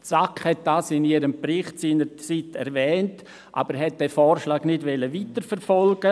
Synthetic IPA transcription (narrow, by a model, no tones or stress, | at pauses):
t͡sakhɛt̚d̥aːsɪniːɾəmpɾɪχtsiːnəɾt͡sitɛ̰ɾvɛːnt | ʔa̰ːb̥əɾɦɛt̚d̥ɛːfɔːɾʃlaːɡnɪdʋɛləʋitəɾfɛɾfɔlɡ̥ə